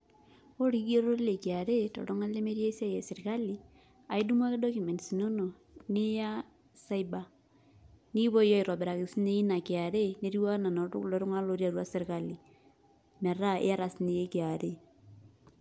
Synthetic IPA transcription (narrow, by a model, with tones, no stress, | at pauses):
o˦ɾiɡe˦ɾo˦ɾle˨ki˨a˨ɾe˦tɔ̰˨ɾʊ˦ŋa˦le˦me˦ɾje˦sa˦je˨sɪ˨ɾka˦li˨ | a˨i˦du˦mwa˦kɪ˦do˦ku˨mɛ˨nsi˨no˦no˨ | nɪ˦ja˦ | sa˦i˦ba˨ | ni˦bo˦jɔ˦i˨ɾɔ˨bɛ˨ɾa˨kɪ˨si˦ne˦i˦na˨kɪ˨a˨ɾe˦ne˦ɾi˦wa˦na˨no˨ɾʊ˦klɔ˨ɾʊ˦ŋa˦lo˨˦ɾja˨ɾwa˦sɪ˦ɾka˦li˨ | mɛ˨ɾa˦ḛ˦a˦ɾa˨sne˦e˦kɪ˨a˨ɾe˦